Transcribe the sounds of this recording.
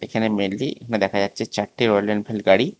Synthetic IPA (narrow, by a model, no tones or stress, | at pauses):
ḛkʰanemeɽliekʰaned̪ɛkʰad͡ʑatːɕʰet͡ɕaʈːiɾojlenpʰelɡaɽi